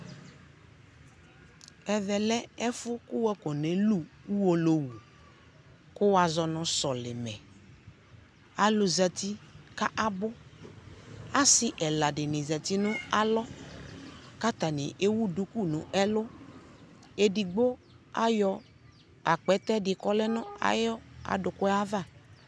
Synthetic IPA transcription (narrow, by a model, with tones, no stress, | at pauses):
ɛ˨ðɛ˨lɛ˦ɛ˦fʊ˦kʊ˦wɛ˦kɔ˨nẽ˨lu˦u˦wo˦lo˨wu˨ | kʊ˦wa˨zɔ˨nʊ̃˨sɔ˨lɪ˨mɛ̰˨ | a˨lʊ˨zɛ˨t̪i˦ka˦ʔa˦bʊ˦ | a˦sɪ˦ʔɛ˨la˨dɪ˨nɪ̃˨zɛ˨t̪i˦nʊ̃˦a˦lɔ˦ | ka˦t̪a˨nɪ̰˨ʔe˦wu˦du˦ku˦˨nʊ̰̃˨ʔɛ˦lʊ˦ | e˦di˨ɡ͡bo˦ | a˦jɔ˧ | a˨k͡pɛ˨˦t̪ɛ˦dɪ˨kɔ˦lɛ˦nʊ̃˦a̰˨jɔ˦a̰˨dʊ˨kʊ˦a˦va˦˨